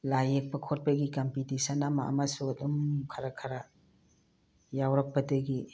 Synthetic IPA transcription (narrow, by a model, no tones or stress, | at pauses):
lajek̚pɐkʰot̚pɐɡikɐmpitisɐnama̰ʔa̰masuɐdumkʰɐɾɐkʰɐɾa | jawɾɐk̚pɐdɐɡi